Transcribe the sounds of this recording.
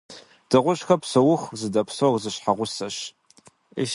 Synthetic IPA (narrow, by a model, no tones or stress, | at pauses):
d̥ɨʁʷʊɕxɐpsɐwʊχzɨdɐpʰsorzɨɕħaʁʷʊsɐʃ | ḛʃ